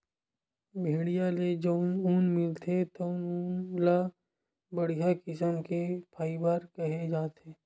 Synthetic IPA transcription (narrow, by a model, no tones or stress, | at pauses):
bʱeːɽijaled͡ʒonunmɪlt̪ʰet̪oʊnuːnla | bəɽijakɪsəmkepʰaːɪbəɾkɐɦed͡ʒaːt̪eː